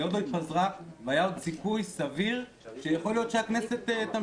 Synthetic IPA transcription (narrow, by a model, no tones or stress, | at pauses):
jod̪oit̪̚pazʁaveajaod̪sikujsaviʁ | ʃejaχo̞ljo̞t̪ʃeaknese̞t̪et̪am